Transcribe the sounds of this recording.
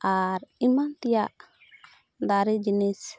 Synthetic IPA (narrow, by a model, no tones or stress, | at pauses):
ʔaɾimant̪ɛjaʔ | d̪aɾid͡ʒinis